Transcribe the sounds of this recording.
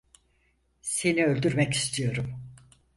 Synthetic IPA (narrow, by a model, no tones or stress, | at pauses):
se̞niø̞lʲd̪yɾmɛki̥st̪ʰijo̞ɾum